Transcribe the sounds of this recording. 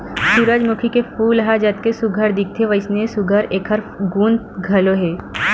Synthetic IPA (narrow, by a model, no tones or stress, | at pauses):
suɾəd͡ʒmʊkʰikefuːlɦad͡ʒɐt̪̚kesʊɡʱəɾd̪ik̚ʰt̪ʰeʋəɪsnesʊɡʱəɾeːkʰəɾ | ɡuːn | ɡʱɐloɦeː